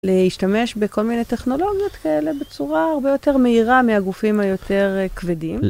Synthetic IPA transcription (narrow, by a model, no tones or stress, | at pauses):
leiʃtame̞ʃbeko̞lminejteχno̞lo̞ɡjotkaele̞bet͡suʁaaʁbejo̞te̞ʁmeiʁameaɡufimhajo̞tʰe̞ʁkvedim